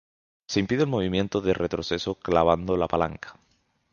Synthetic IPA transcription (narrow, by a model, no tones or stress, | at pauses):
se̞impiðelmo̞β̞imjẽ̞nt̪oðeret̪ɾoθe̞so̞klaβ̞and̪olapalaŋkḁ